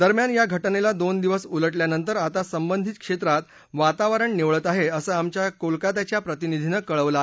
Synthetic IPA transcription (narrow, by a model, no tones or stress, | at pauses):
d̪əɾmjanjaɡʱəʈnelad̪ond̪iʋəsuləʈljanənt̪əɾat̪asəmbənd̪ʱit̪̚kʂet̪ɾat̪ | ʋat̪aʋəɾəɳneʋɭət̪aɦeəsəːamt͡ɕjakolkat̪at͡ɕjapɾət̪inid̪ʱinəkəɭəʋla